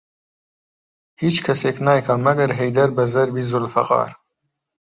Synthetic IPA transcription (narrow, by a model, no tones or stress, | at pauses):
hiːt͡ʃkʰɐseːknaːjkʰɐmɐɡɐɾɦejd̪ɐɾbɐzɐɾbiːzʊlfɐqɑ̰ːɾ